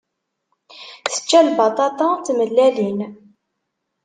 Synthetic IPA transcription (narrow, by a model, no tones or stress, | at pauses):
θə̥t͡ʃːælbɑt̪ˤɑt̪ɑt͡s̪ːməlːælin